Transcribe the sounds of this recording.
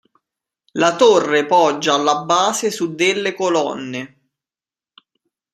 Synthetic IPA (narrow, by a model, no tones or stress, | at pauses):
lat̪orːepɔd͡ʒːaːlːabːaːsɪsud̪ːɪlːekolɔnːe